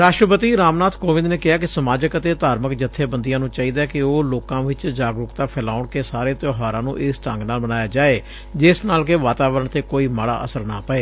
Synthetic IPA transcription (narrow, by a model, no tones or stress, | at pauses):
ɾaːʃʈɾəpət̪iːɾaːmnaːt̪ʰkoːʋɪ̃nd̪neːkɪɦaːkɪsəmaːd͡ʒəkət̪eːt̪aːɾməkd͡ʒət̪ʰːeːbənd̪ijãːnũːt͡ʃaːiːd̪aːkɪoːloːkãːʋɪt͡ʃd͡ʒaːɡɾʊkt̪aːpʰɛːlaːʊɳkeːsaːɾeːt̪joːɦaːɾãːnṵ̃ːʔeːsʈə̰̃ŋɡnaːlmənaːjaːd͡ʒaːeː | d͡ʒɪsnaːlkeʋaːt̪aːʋəɾəɳt̪eːkoːiːmaɽa̰ːʔəsəɾna̰ːpəeː